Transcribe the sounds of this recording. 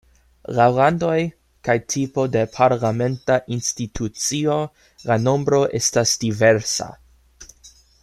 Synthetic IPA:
lawlando̞j | kajtʰipo̞de̞pʰaɾlame̞ntaʔinstitʰut͡sio̞ | lano̞mbɾo̞ʔe̞stasdiveɾsa̰

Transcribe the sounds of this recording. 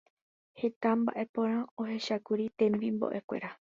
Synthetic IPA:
he̞t̪amba̰ʔe̞põ̞ɾ̃ão̞he̞ʃakuɾit̪ẽ̞mbimbo̰ʔe̞kʷe̞̰ɾa

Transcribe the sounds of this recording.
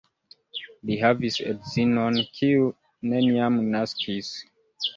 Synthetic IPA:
liɦavisḛdzinonkʰiu | neniamnaskis

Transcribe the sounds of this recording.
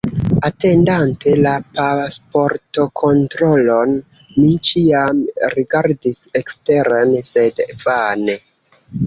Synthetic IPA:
ate̞ndantʰe̞lapaspo̞ɾto̞kʰo̞ntɾo̞lo̞n | mit͡ʃiamɾiɡaɾdise̞kste̞ɾanse̞dvane

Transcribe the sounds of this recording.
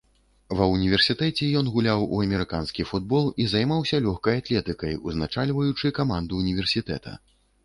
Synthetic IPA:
vɐunʲivʲɛrsʲit̪ɛt͡sʲɛjɔnɣulʲawuɐmʲɛɾɨkanskʲifud̪̚bɔlˠizajmawsʲɐlʲɔxkɐjat̪lʲɛt̪ɨkɐjuznat͡ʂalʲvɐjut͡ʂɨkamand̪uːnʲivʲɛrsʲit̪ɛ̰t̪ʰɐ̰

